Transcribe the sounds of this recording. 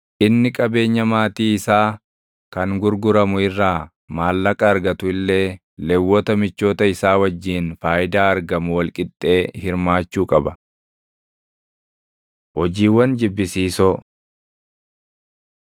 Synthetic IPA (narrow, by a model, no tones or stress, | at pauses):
ʔɪnːɪkʼɐbe̞ːɲːɐmaːt̪iːɪsaː | kɐŋɡʊɾɡʊɾɐmʊɪrːaː | maːlːɐkʼɐːɾɡɐt̪ʊɪlːe̞ː | lɛwːɔt̪ɐmɪt͡ʃːoːt̪ɐɪsaːwɐd͡ʒːiːnfaːjɪd̪aːɐɾɡɐmʊwɐlkʼɪt̪ʼːe̞ːhɪɾmaːt͡ʃːuːkʼɐbɐ | hɔd͡ʒiːwːɐnd͡ʒɪbːɪsiːsoː